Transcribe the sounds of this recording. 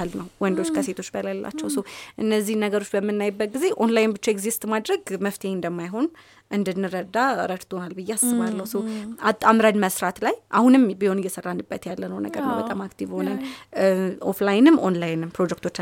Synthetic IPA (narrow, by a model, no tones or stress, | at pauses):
alnəwwɔnd̪o̞t͡ʃːkʰəse̞t̪ʰo̞t͡ʃːbəlajalːʔa̰t͡ʃːɛwsəwʔɨnːəzːihnəɡəɾo̞t͡ʃːbəmːɨnːajbːət̪̚ɡize̞ʔonlajnbɨt͡ʃːaeɡzist̪ʼmad̪ɾəɡməft̪ʰeɨnd̪əmːajɦo̞n | ʔɨnd̪ɨnːɨɾəd̪aɾədt̪ʰo̞nalbɨjːɛasːɨmalːəwsəwatamɾad̪məsɾat̪lajʔahunɨmbiho̞nɪjːɛsərːanːɨbːət̪jalːənəwnə̰ɡəɾnə̰wbət̪ʼamakt̪ʰivho̞nən | oflajnɨmonlajnɨmpɾo̞d͡ʒɛk̚t̪ʰot͡ʃː